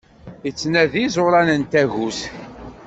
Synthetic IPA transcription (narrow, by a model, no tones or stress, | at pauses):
ət͡sːnæðizˤoɾˤɑnənt̪æʝus